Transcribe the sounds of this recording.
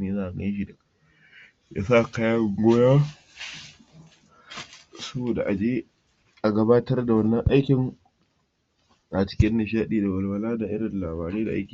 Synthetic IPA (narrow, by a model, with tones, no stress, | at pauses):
jnaː˦˨a˨ɡa˦ʃ̬i˨dɐ˨ka˦ | ja̰ː˦saː˦˨ka˦ja˦˨ɡʷoː˦ja˦ | sɐ˦boː˨da̰˨ʔa˨d͡ʒeː˦ | ʔa˨ɡɐ˦baː˦tɐ˦rda˨wɐ˦nːɐ˦ŋʔa˦jkʲɪ˨ŋ | ʔa˨t͡ʃɪ̥˦kʲɪ˦nːɪ˨ʃ̬aː˦ɗiː˨da˨wɐ˨lwɐ˨laː˦da˨ʔɪ˦ɾɐ˨n˨laː˨baː˨ɾe˦da̰˨ʔa̰˦jkʲi˨˦